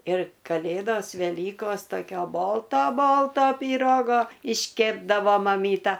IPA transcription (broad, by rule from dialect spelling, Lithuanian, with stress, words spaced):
ɪr kɐˈlʲeːdoːs ʋʲɛˈlʲiːkoːs toːˈkʲoː ˈboːlˠtoː ˈboːlˠtoː pʲiːˈroːɡoː ɪʃʲˈkʲeːbdɐʋoː mɐˈmʲiːtɐ